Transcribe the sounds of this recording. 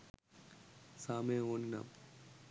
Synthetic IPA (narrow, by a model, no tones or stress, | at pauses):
saːmeːoːnna̰m